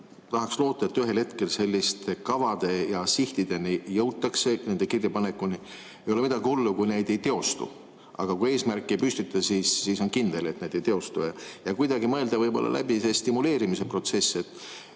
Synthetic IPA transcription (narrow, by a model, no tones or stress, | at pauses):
t̪ɑɦɑkslo̞ːt̪ːˑɑet̪ːyɦe̞lhe̞t̪ke̞lse̞lʲːist̪ekɑvɑd̪̥e̞jɑsiht̪id̪̥e̞nijɤwt̪ːˑɑkse̞ne̞nd̪̥e̞kirjɑpɑnekːˑuni | e̞jo̞le̞mid̪ɑɡiholːukujne̞jd̪e̞jt̪e̞o̞st̪ṵ | ʔɑ̰ɡ̥ɑkue̞ːsmærkːˑiejpyst̪it̪ːˑɑsiːsːiso̞nkind̪̥e̞le̞t̪ned̪ejt̪e̞o̞st̪ujɑjɑkujd̪̥ɑɡimɤeld̪̥ɑvɤjbo̞̰lːɑ̰lʔæ̰bisest̪imule̞ːɾimise̞pro̞t̪se̞sːe̞t̪ːˑ